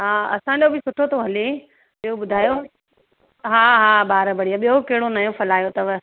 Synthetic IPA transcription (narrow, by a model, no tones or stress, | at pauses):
ɦaːɐ̰sãd͡ʑobɪsʊʈʰot̪ʰoɦɐle | ɓiɦoɓʊd̪ʱaːjo | ɦaːɦaːbaːɾbɐɽ̤ijaɓiokɐɦɪɽonajõfʰɐlaːjot̪ɐʋ